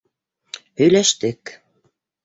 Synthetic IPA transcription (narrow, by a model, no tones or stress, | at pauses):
hɵ̆jlæʃt̪ɘk